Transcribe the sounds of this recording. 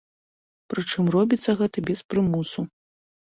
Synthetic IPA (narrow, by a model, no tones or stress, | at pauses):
pɾɨt͡ʂɨmrɔbʲit̪sːɐɣɛt̪ɐbʲɛspɾɨmusu